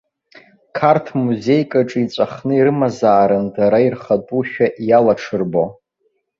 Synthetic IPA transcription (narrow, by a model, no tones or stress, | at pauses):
kʰartʰmuze̞jkʼaʈ͡ʂʼɨit͡sʷʼaχnɨiɾɨmazaːɾɨndʰaɾairχatʼuʃᶣaʔjalaʈ͡ʂʰɨrbo